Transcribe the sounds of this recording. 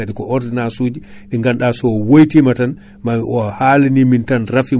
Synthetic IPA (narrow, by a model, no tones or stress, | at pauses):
aɗikɔʔɔɾdinasuːd͡ʒiɗiŋɡanɗaːsɔwojtimatan | maɔhalinimintanrafi